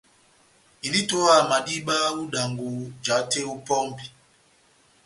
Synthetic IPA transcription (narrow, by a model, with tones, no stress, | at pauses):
i˨ni˦to˦a˨ma˨di˦ɓa˦u˦da˨ŋɡu˨d͡ʒa˨˦te˦u˦pɔ˦mbi˨